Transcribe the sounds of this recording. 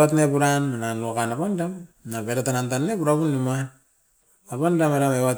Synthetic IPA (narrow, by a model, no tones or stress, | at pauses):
atnepuɾanːananuakanapandamnapeɾatanantanːepuɾapunːima | apandameɾamewat